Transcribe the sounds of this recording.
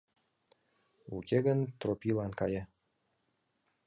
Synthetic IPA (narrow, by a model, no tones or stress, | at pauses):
ukʲʰeɡənt̪ropʲilɑnkɑjɤ